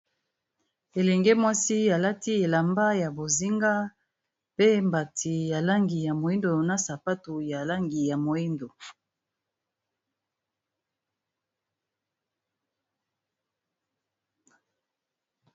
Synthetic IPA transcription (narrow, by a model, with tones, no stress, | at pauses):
e˨lɛ˨ŋɡe˦mwa˦si˦a˨la˦ti˦e˨la˨mba˦ja˨bo˨zi˦ŋɡa˦ | pe˦mba˨tʰi˨ja˨la˦ŋɡi˨ja˨mo˨i˦ndo˨na˦sa˨pa˦tu˨ja˨la˦ŋɡi˨ja˨mo˨ji˦ndo˨